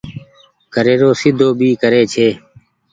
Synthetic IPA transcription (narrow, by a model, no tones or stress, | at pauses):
kəɾeːɾoːsɪd̪ʱoːbʱiːkəɾeːt͡ʃʰeː